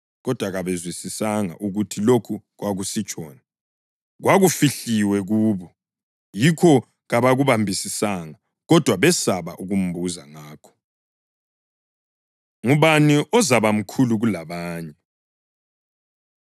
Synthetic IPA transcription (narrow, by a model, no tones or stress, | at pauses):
ɣɔd̥ʱwaɣaβezwisisaŋa̰ʔuɣutʰilokʰu | ɣwaɣusit͡ʃʼɔ̰ːna | ɣwaɣufiɬiwɛɣuːβɔ | jikʰɔ | ɣaβaɣuβambʱisisaŋa | ɣɔd̥ʱwaβɛsaβa̰ʔuɣum̩buza̰ŋaːkʰɔ̥ | ŋuβaniʔɔzaβam̩kʰuluɣulaβaːɲɛ